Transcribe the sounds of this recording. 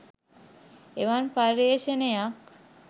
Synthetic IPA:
eʋanpaɾeːʃenejak

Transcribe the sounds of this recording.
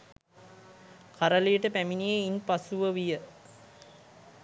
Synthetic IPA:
kaɾəlejəʈəpæminijeinpasuʋəʋijə

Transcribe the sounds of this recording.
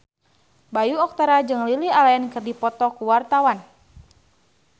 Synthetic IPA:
bajuɔk̚t̪aɾad͡ʒɨŋlilialajɛnkɨrdipɔt̪ɔkuwart̪awan

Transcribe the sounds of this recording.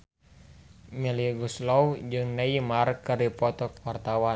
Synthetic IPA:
miliɡuslɔwd͡ʒɨŋnaimarkɨripɔt̪ɔk̚wart̪awa

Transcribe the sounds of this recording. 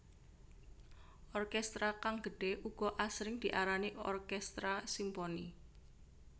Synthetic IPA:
ʔɔrkɛst̪ɾakaŋɡ̥əɖ̥e̤ʔuɡ̥ɔ̤ʔasɾɪŋd̪̥iʔaɾaniɔ̰rkɛst̪ɾasimpɔni

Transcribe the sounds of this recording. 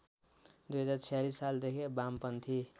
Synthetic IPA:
d̪ujɦʌd͡zart͡sʰijalisːald̪ekʰebampʌnt̪ʰi

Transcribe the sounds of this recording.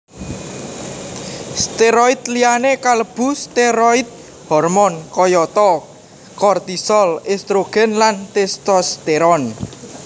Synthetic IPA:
st̪eɾɔit̪lianekaləb̥ṳst̪eɾɔit̪̚ | hɔrmɔnkɔjɔt̪ɔ | kɔrt̪isɔlest̪ɾoɡ̥ɛ̤nlant̪est̪ɔst̪eɾɔn

